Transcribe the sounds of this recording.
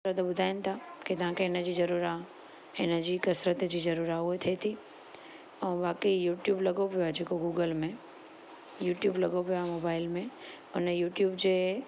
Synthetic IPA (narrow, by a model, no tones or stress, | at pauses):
ɾət̪əɓʊd̪ʱaːɪnɪt̪ʰakit̪ɐʋ̤ãkʰeɪnəd͡ʑiːzɐɾuːɾa | ɪnəd͡ʑiːkɐsɾət̪d͡ʑiːzɐɾuːɾaɦʊɦet̪ʰiet̪ʰi | ɛ̃ːʋaːkeijuːʈjuːblɐɡopijoad͡ʑeːkoɡuːɡəlmẽ | juːʈjuːblɐɡopijoaːɦemoːbaːɪlmẽ | ʊnəjuːʈjuːbd͡ʑeː